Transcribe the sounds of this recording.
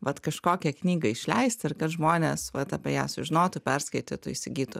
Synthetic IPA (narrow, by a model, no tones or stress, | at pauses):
ʋɐt̪kɐʃkoːkʲɛknʲiːɡɐɪʃʲlʲɛɪst̪ɪrkɐt̪ʒmoːnʲeːsʋɐt̪ɑːpʲɛjæːsʊʒʲɪnoːt̪ʊpʲɛrskɐɪt̪ʲeːt̪ʊɪsʲɪɡʲiːt̪ʊ